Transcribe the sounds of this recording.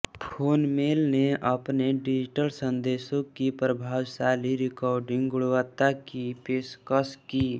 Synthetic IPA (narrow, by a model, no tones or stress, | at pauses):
pʰoːnmeːlneʔəpneɖɪd͡ʒɪʈəlsə̃nd̪eːsõkipɾəbʱaːwsaːliɾɪkɔːɾɖɪ̃ŋɡɡʊɽʋət̪akipeːskəskiː